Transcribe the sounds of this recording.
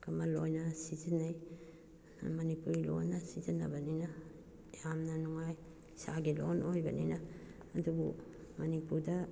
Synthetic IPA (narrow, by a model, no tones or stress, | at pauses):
kɐmalojnɐsizinːaj | mɐnipuɾilo̰nːɐsizinːɐ̰bɐnina | jamnɐnuŋaj | saɡilonojbɐ̰ninɐː | dubṵmɐnipuɾdɐ